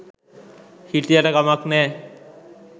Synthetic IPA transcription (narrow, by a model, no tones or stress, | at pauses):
hiʈiaʈakamaknɛ